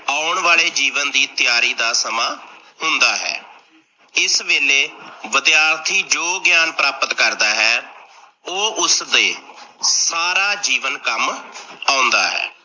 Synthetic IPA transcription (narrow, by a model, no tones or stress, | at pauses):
aːʊɳʋaːɭeːd͡ʒiːʋənd̪iːt̪ɪjaːɾiːd̪aːsəmãː | ɦʊnd̪aːɦɛ̰ː | ɪsʋeːleːʋəd̪ɪjaːɾt̪ʰiːd͡ʒoːɡɪjaːnpɾaːpət̪kəɾd̪aːɦɛː | oːʔʊsd̪eːsaːɾaːd͡ʒiːʋənkəmãːʊnd̪a̰ːɦɛ̰ː